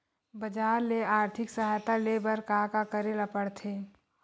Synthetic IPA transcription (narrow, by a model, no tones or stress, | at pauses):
bəd͡ʒaːɾleaːɾt̪ʰɪksəɦajt̪alebəɾkaːkakəɾelapəɽt̪ʰeː